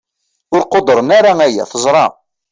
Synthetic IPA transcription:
ʊɾqod̪ɾˤənaɾaæjæ̰θəzˤɾˤɑ

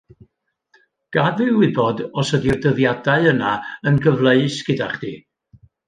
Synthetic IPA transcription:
ɡ̥advɨwɪbɔdɔsədirdəðjadaɨənaənɡəvlˠeɨsɡ̥ədaχd̥iː

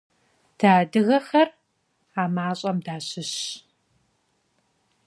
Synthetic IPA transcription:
d̥aːdɨɣɐxɐr | aːmaːɕʼɐmdaːɕɪɕ

